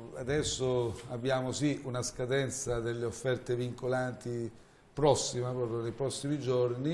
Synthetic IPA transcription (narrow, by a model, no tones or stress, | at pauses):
ad̪ɛsːoabːjaːmosiunaskad̪ɛnt̪sad̪elːeofːɛrt̪eviŋkolant̪i | pɾɔsːimapɾɔːpɾjonejpɾɔsːimid͡ʒorni